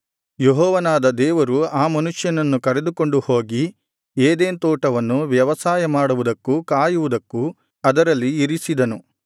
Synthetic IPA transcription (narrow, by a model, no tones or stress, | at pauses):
jeɦɔːʋɐnaːd̪ɐd̪ɛːʋɐɾuaːmɐnuʂjɐnɐnːukɐɾed̪uko̞ɳɖuho̞ːɡi | eːd̪eːnt̪ɔːʈɐʋɐnːuʋjɐʋɐsaːjɐmaːɽuʋud̪ɐkːukaːjuʋud̪ɐkːu | ɐd̪ɐɾɐlːiːɾisid̪ɐnu